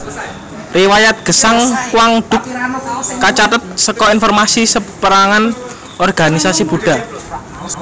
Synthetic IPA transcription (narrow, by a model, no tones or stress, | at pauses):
riwajat̪̚ɡ̥ə̤saŋkwaŋd̪̥ʊkː | at͡ʃat̪ət̪̚səkɔinfɔrmasisəpəɾaŋan | ɔrɡ̥a̤nisasib̥uɖ̥a̤